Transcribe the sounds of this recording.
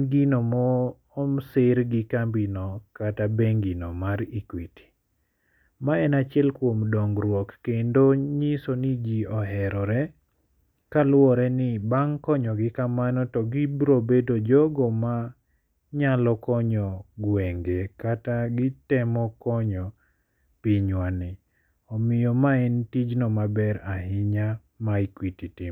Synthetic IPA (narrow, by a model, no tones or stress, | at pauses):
ɡinomɔː | msɪɾɡɪkambinɔkatabeŋɡinɔmaɾikwiti̥ | maɛnat͡ʃɛlkwomdɔŋɡɾwɔkːendoɲɪsonid͡ʒiɔɦɛɾɔɾɛ | kalwɔɾɛnɪbaŋkɔɲɔɡɪkamanɔtɔɡibɾobedod͡ʒoɡoma | ɲalɔkɔɲɔɡwɛŋɡekataɡɪtɛmɔkɔɲɔ | piɲwanɪ | ɔmɪjɔmaɛntid͡ʒnɔmabɛɾaɦɪɲa | maikwititi